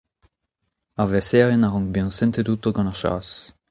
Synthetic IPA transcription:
aʁvɛsɛːʁenaʁɔ̃ŋbeɑ̃nsɛ̃nt̪edut̪oɡɑ̃naʁʃa̰ːs

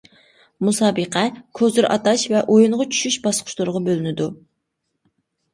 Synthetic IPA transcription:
musɑːbəqʰɛkʲʰøzyɾʔɑ̰t̪ɑʃvɛʔojuɴʁɑt͡ʃʰy̥ʃyʃbɑsqʰʊ̥ʃlˠʊɾʁɑbølynɪd̪u

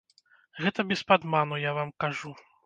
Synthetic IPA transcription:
ɣɛt̪ɐbʲɛspad̪manujavamkaʐu

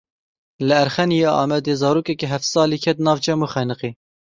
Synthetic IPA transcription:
lɨæɾχɛnijɑːʔɑ̰ːmɛd̪eːzɑːɾuːkɛkiɦɛft̪sɑːliːkʰɛt̪nɑːvt͡ʃɛmuːχɛnɨqiː

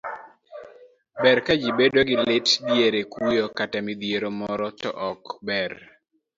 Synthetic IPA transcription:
bɛɾkad͡ʒibedoɡɪlɪtdjeɾekujokatamid̪jeɾomɔɾɔtɔ̰ʔɔkbɛr

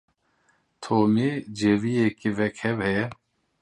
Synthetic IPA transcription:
t̪ʰoːmid͡ʒeʋijekiʋɛkhɛvhɛ

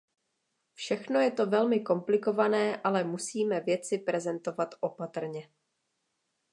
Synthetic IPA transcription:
fʃɛxno̞jɛt̪o̞vɛlmɪko̞mplɪko̞vanɛːʔalɛmusiːmɛvjɛt͡sɪpɾɛzɛnt̪o̞vat̪ʔo̞pat̪r̩ɲɛ

